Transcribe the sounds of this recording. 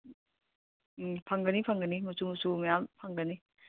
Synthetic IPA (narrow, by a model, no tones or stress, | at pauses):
pʰaŋɡənipʰaŋɡəniŋusuŋusumajampʰaŋɡəni